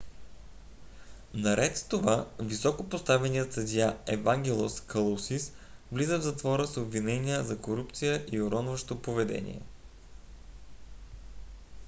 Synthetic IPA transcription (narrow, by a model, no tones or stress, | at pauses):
nɐɾɛt̪st̪ovavisɔkopost̪avɛniət̪sɐd̪ʲjaɛvaŋɡʲɛlˠoskʰɐlˠosis | vlizəvzɐt̪vɔɾəsobvinɛnʲijəzɐkoɾupt̪sijəʔioɾɔnvəʃt̪opovɛd̪ɛ̰nʲḭɛ̰